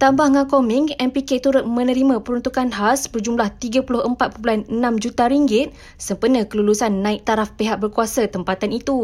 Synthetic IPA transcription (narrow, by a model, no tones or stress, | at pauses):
t̪ambahŋãkomɪŋɛmpiket̪uɾʊt̪̚mə̃nəɾimãpəɾunt̪ukanɦasbərd͡ʒumlaht̪iɡapulʊhəmpat̪̚pəpuanənãmd͡ʒut̪aɾiŋɡɪt̪̚ | səmpənəkəlulusanːãɪk̚t̪aɾafpeɦak̚bərkuasat̪əmpat̪anit̪u